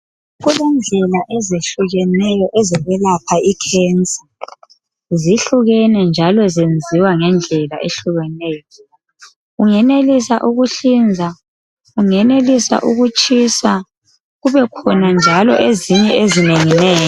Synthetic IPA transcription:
ɣulɛnd͡ɮʱɛlaʔɛzeɬuɣɛnɛjɔʔɛzɛβɛlapʰaikʰɛːnt͡sʼḁ | ziɬuɣɛnɛnd͡ʒʱalɔzend͡zʱiwaŋɛnd͡ɮʱɛlaʔeɬuɣɛnɛːjjɔ | uŋɛnelisaʔuɣuɬind͡zʱa | uŋɛnelisa̰ʔuɣut͡ʃʼisa | ɣuβɛkʰɔnand͡ʒʱalɔ̰ʔeziɲɛezineŋinɛːjɔ

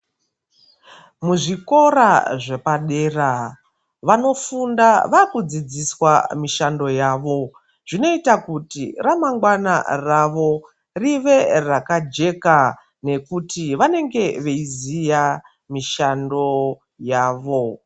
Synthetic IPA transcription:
muʐiko̞ɾaʐe̞paɗe̞ːra | ʋano̞fundaʋakud͡zid͡ziswamiʃando̞jaːʋo̞ | ʐ̥ino̞itakutḭramaŋɡwana̰raʋo̞ | riʋe̞rakad͡ʒe̞ka | ne̞kutiʋane̞ŋɡe̞ʋe̞izija | miʃando̞ | jaːʋo̞

